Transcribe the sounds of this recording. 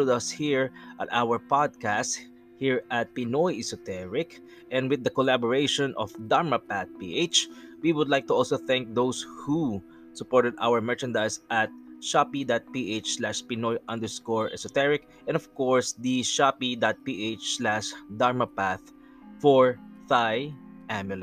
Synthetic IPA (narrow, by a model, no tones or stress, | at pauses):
ʊd̪ɐshiɹʔɐt̪awəɹpad̪̚kæst̪̚ | hiɹɐt̪̚pinɔjʔɛsɔt̪ɛɹɪk | ʔɛ̃nd̪wɪd̪ːɐkɔlabɔɹeɪʃɔ̃nʔɔfd̪aɹmɐpaθ̚pḭʔet͡ʃwiwʊd̪lajk̚t̪ʊʔɔlsoθæ̃ŋk̚d̪owshu | sʊpɔɹt̪ɛd̪a̰wəɹmɛɹt͡ʃɐ̃nd̪ajsʔat̪̚ʃapid̪at̪̚piʔet͡ʃslaʃpinɔjʔʌ̃nd̪ɛɹskɔɹʔɛsɔt̪ɛɹɪk | ʔɛ̃nɔv̥kɔɹsd̪iʃapid̪at̪̚piʔet͡ʃslæʃd̪aɹmɐpæθ | fɔɹðajʔæmjʊl